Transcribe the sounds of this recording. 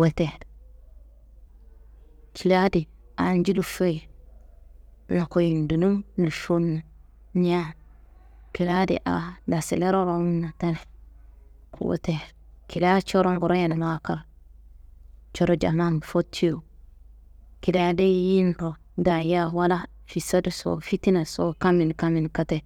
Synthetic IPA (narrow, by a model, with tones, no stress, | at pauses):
wa˦te˨d | ki˨la˦di˨ | a˨nd͡ʒi˦lu˦fe˦j | na˨ko˨ji˨ndu˨nu˦mnu˨ʃu˦nːa˨ | n˦a˦n | ki˨la˦dḭ˨ʔa̰˨da˨sḭ˨le˦ɾo˦ɾo˦m˦na˨ta˦ne˨ | kʰṵ˨wo̰˦te˨ki˨la˦t͡ʃo˦ɾo˦ŋɡu˨ɾo˦ja˨n˨n˦a˦ka˨l | t͡ʃo˦ɾo˦d͡ʒa̰˨ma˦nbfo˦tʰːi˦o˨ | ki˨la˦de˦ji˦nɾo˨ | da˨ja˦wa˦la˦ | fi˨sa˦di˦˨so̰˨fi˦ti˦na˨so̰˦ka˦mi˨n˨ka˦mi˨nka˦te˨